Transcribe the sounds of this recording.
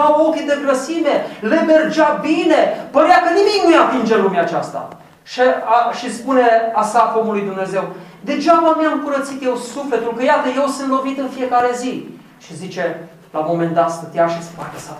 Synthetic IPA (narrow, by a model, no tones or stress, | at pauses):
awokʲid̪eɡɾəsinele̞be̞rd͡ʒabine̞pəɾeakənimikʲnujat̪ind͡ʒelumaːt͡ʃast̪a̰ | ʃeʃispune̞asakomulujd̪umne̞ze̞w | d̪e̞d͡ʒaməmiamkuɾət̪sit̪je̞wsufle̞t̪ulkəjat̪əje̞wsɨnt̪lo̞vit̪ɨnfije̞kaɾe̞zi | ʃizit͡ʃe̞ | lamo̞me̞nd̪at̪sət̪jaʃisə̥pak̪asa